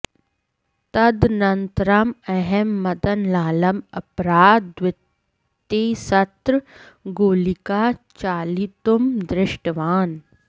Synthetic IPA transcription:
t̪ɐd̪nɐnt̪ɾɐmɛɦɛmːɐd̪ɐnlaːlɐmɐpɾaːd̪ʋɪt̪ː | esɐt̪ɾ | ɡoːlikaːt͡ʃaːlit̪umd̪ɾɪʃʈəʋaːn

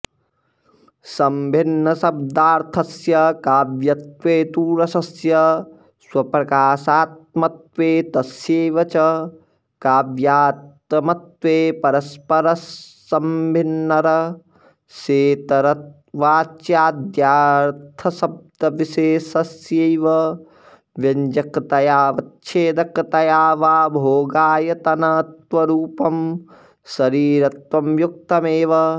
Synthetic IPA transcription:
sɐmbʱɪnːɐsɐb̚d̪aːɾt̪ʰɐsjɐkaːbjɐt̪weːt̪uːɾɐsɐsjɐ | swɐpɾɐkaːsaːt̪̚mɐt̪ʋeːt̪ɐsjeːʋɐt͡ʃɐ | kaːbjaːt̪ɐmɐt̪ʋeːpɐɾɐspɐɾɐs | ɐmbʱɪnːɐɾɐ | ʃeːt̪ɐɾɐt̪̚ | ʋaːt͡ʃjaːd̪jaːɾt̪ʰɐsɐb̚d̪ɐʋiʃeːsɐsjejʋɐ | ʋjɐɲd͡ʒɐkt̪ɐjaːʋɐt̪ʃʰeːd̪ɐkt̪ɐjaːʋaːbʱoːɡaːjɐt̪ɐnɐt̪ʋɐɾuːpɐm | sɐɾiːɾɐt̪ʋɐmjuk̚t̪ɐmeːʋɐ

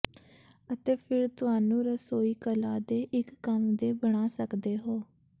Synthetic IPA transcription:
ət̪eːpʰɪɾt̪ʊɦaːnũːɾəsoːiːkəlaːd̪eːʔɪkːəmd̪eːbəɽ̃aːsəkd̪eːɦoː

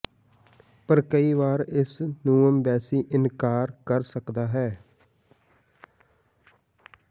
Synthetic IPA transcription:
pəɾkəiːʋaːɾɪsnuːəmbɛːsiːʔɪnkaːɾkəɾsəkd̪aːɦɛː

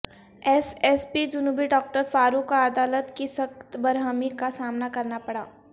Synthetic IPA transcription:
ɛsɛːspid͡ʒʊnuːbiɖɔːk̚ʈəɾfaːɾukːaɐd̪aːlət̪kisɐkt̪bɐɾɦəmikasaːmnakɐɾnapɐɽaː

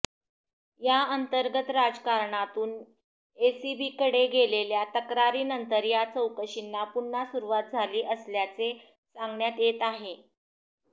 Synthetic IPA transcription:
jaənt̪əɾɡət̪ɾad͡zkaɾɳat̪uːn | esibiːkəɽeɡeleljat̪əkɾaɾiːnənt̪əɾjat͡səwkəɕinːapunːasuɾuʋat̪̚d͡zʱaliːʔəsljat͡se | saŋɡɳjat̪jet̪aɦe

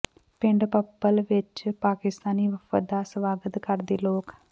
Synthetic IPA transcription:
pɪɳɖpəpːəlʋɪt͡ʃpaːkɪst̪aːniːʋəfʰə̰d̪aːsʋaːɡət̪kəɾd̪eːloːk

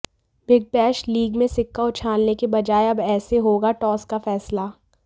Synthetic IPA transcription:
bɪɡ̚pɛːʃliːɡmẽsɪkːaʊt͡ʃʰaːlnekebɐd͡ʒaːeɐbɛːseɦoːɡaʈɔːskafɛːsla

